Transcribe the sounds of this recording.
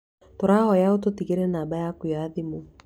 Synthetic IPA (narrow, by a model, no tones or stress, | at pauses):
toɾaːɦɔjaot̬otiɣeɾɛnaːbajakujaðimu